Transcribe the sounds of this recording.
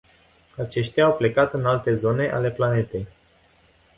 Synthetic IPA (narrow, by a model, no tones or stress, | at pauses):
at͡ʃe̞ʃt̪ʲaːwple̞kat̪ɨnalt̪e̞zo̞ne̞ʔa̰le̞plane̞t̪e̞j